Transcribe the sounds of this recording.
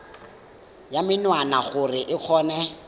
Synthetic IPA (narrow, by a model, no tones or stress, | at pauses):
jamɪnwanaχʊrɪʔɪk͡xʰɔːnɛ